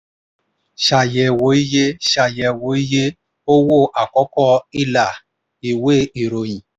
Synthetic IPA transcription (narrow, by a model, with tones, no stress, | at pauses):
ʃa˨jɛ˨wo˨˦i˦je˦ʃa˨jɛ˧˨wo˨˦i˦je˦ | o˦wo˦˨ʔa˨kɔ˦kɔ˦i˦˨la˨ | i˨we˦i˨ɾo˨j̃ĩ˨